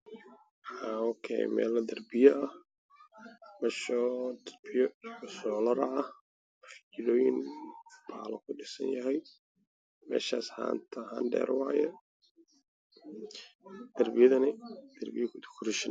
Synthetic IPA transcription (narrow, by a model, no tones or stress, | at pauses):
ħaːɔkʰɛ̰jmɛ̰ːlɐd̪ɐrbɪjɐɐh | mɐʃɔd̪ɐrbɪjɔʊsɔːlɐɾɐɐh | ɐħt͡ʃɪɾɔːjɪnbaːlɐkʰʊɖɪsɐ̰njɐɦɛj | mɛ̰ːʃaːsħa̰ːnt̪ʰɐha̰ːnɖɛ̰ːɾwɑːjɛ | d̪̥ɐrbɪjɐðɐnɪd̪̥ɐrbɪjɐkʰʊd̪kʊɾɪʃɪn